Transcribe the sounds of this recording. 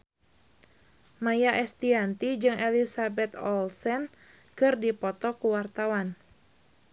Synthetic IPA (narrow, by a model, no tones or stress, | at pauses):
majaʔɛst̪iant̪id͡ʒɨŋɛlisabɛt̪ɔlsɛn | kɨrdipɔt̪ɔkuwart̪awan